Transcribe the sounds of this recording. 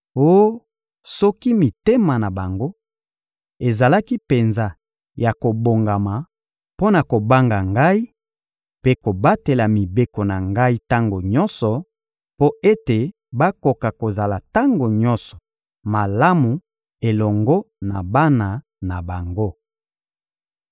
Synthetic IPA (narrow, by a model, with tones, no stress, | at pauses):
o˦o˦ | sɔ˦ki˦mi˨te˦ma˨na˨ba˨ŋɡo˦ | e˨za˨la˦ki˦pe˨nza˦ | ja˨ko˨bo˨ŋɡa˨ma˨ | po˦na˨ko˨ba˦ŋɡa˨ŋɡa˦i˦ | pe˦ko˨ba˦te˨la˨mi˨be˦ko˨na˨ŋɡa˦i˦ta˦ŋɡo˨ɲɔ˦nsɔ˨ | po˦e˦te˨ | ba˦ko˨ka˨ko˨za˨la˨ta˦ŋɡo˨ɲɔ˦nsɔ̥˨ | ma˨la˦mu˨ | e˨lɔ˨ŋɡɔ˦na̰˨ba˦na˨ | na˨ba˨ŋɡo˦